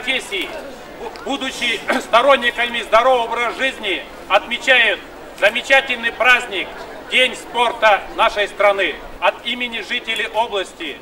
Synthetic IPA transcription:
pɐfʲesʲːɪjɪ | bud̪ʊt͡ɕːɪst̪ɐɾo̞nʲːɪkəmʲɪzd̪ɐɾo̞vəvɾəʐɨzʲnʲɪ | ɐt̪mʲɪt͡ɕæjʊt̪̚ | zəmʲɪt͡ɕatʲɪlʲnɨjpɾazʲnʲɪk̚ | dʲenʲspo̞rt̪ənaʂəjst̪ɾɐnɨ | ɐt̪imʲɪnʲɪʐɨtʲɪlʲɪʔo̞blˠəsʲtʲɪ

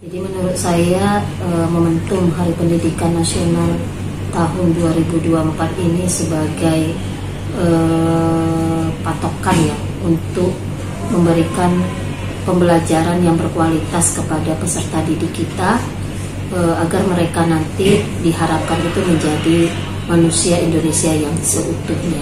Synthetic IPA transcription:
d͡ʒadimənuɾʊt̪̚saja | əməmənt̪ʊŋɦaɾipəndidikanːasional | t̪aɦʊnduaɾibuduaəmpat̪inisəbaɡaj | ə | pat̪okanja | unt̪ʊk̚ | məmbəɾikan | pəmbəlad͡ʒaɾanjaŋbərkualit̪askəpadapəsərt̪adidikit̪a | əaɡarməɾekanant̪i | diɦaɾap̚kanit̪uməɲd͡ʒadi | manusiaindonesiajaŋsəʔut̪ʊhɲa

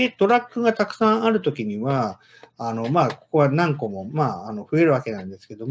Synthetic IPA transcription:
et̪o̞ɾakːɯɡat̪akɯ̟̥sãɰ̃aɾɯ̟t̪o̞kʲiɲ̟iβaː | no̞maːko̞̥ko̞βanãŋko̞mo̞maːano̞ɸɯ̟e̞ɾɯ̟βake̞nãnd̪e̞sɨ̥ke̞d̪o̞m

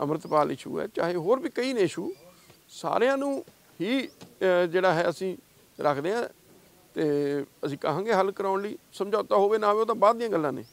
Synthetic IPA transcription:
ə̰mɾət̪paːlɪ̰ʃṵːɛ̰ːt͡ʃa̰ːɦeːɦoːɾbiːkəiːneːɪʃuː | sa̰ːɾejãːnũː | ɦiː | d͡ʒeːɽaːɦɛːəsĩː | ɾʔəkʰd̪eːãː | t̪eːəsĩːkəɦãːŋɡeːɦəlkəɾaːʊɳliːsəmd͡ʒaːt̪aːɦoːʋeːnãːʋeoːt̪̬ãːbaːd̪dːijãːɡəlːãːnḛː

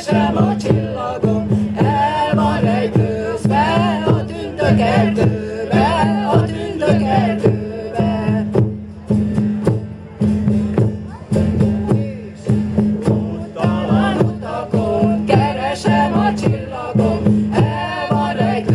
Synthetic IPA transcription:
ʃɛmɒt͡ʃilːɒɡomɛvɒɾɛjd̪øːɛɒd̪ynd̪økɛd̪øːbɛɒd̪ynd̪økɛld̪øːbɛ | aot̪ɒkokɛɾɛʃɛmɒt͡ʃilːɒɡomɛmɒɾɛɡ̪

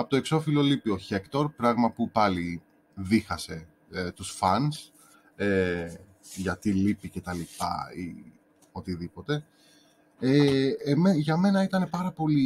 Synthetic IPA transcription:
ɐpot̪o̞e̞kso̞filo̞lipio̞çe̞kt̪o̞ɾpɾɐɣmɐpupɐli | ðixɐse̞ | et̪usfɐns | e | ʝɐt̪ilipice̞t̪ɐlipɐ̰ḭ | o̞t̪iðipo̞t̪e̞ | emeʝɐme̞nɐit̪ɐne̞pɐɾɐpo̞li

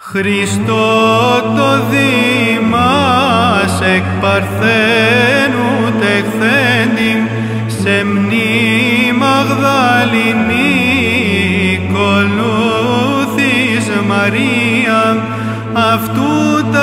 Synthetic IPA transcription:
xɾist̪ot̪oðimɐ | sekpɐɾθenu | t̪ekθend̪i | semnimɐɣðɐlini | kolu | θizmɐɾiɐ | ɐft̪ut̪

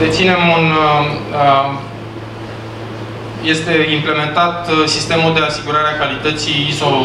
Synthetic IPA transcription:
d̪et̪sine̞mun | je̞st̪e̞imple̞me̞nt̪at̪sist̪e̞muld̪e̞asiɡuɾaɾeakalit̪ət̪siːzo̞lu

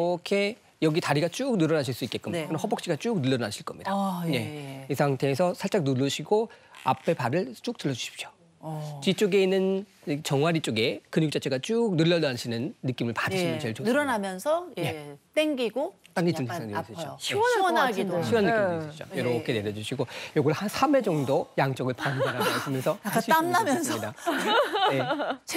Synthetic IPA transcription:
kʰe̞ | jʌɡitaɾiɡat͡ɕ͈uk̚nɯɾʌnaɕʰiɭs͈uik͈e̞t̚k͈ɯmɲkɯnhʌbʌk̚ɕ͈iɡat͡ɕ͈uk̚nɯɭːʌɾnaɕʰiɭk͈ʌmɲid̥aɲe̞esʰaŋtʰe̞ːsʰʌsʰaɭt͡ɕ͈ak̚nulːɯɕʰiɡoa̰pʰe̞paɾɯɭt͡ɕ͈uk̚t͈ɯɭːʌd͡ʑuɕʰi̥p̚ɕ͈o̥ | t͡ɕit͡ɕ͈oɡe̞inːɯn | t͡ɕʌŋwaɾit͡ɕ͈oɡe̞kɯɲuk̚t͡ɕ͈at͡ɕʰe̞ɡat͡ɕ͈uk̚nɯɭːʌdaɕʰinɯnːɯk͈imɯɭpadɯɕʰimjʌnt͡ɕeɭonɯɾʌnamjʌnsʰʌjje̞t͈eŋɡiɡot͈aŋːiɯt͡ɕs͈ʰaŋis͈ɯooɕʰwʌiɕʰiwanːɯkisʰʌt͡ɕojʌɾʌk͈ʰene̞ɾjʌd͡ʑuɕʰiɡojoɡʌɭhansʰame̞d͡ʑʌŋdojaŋt͡ɕ͈ʌɡɯɭpanaɾamas͈ɯmjʌnsʰʌakak͈aɕʰiamnamjʌnsʰʌida | jet͡ɕ

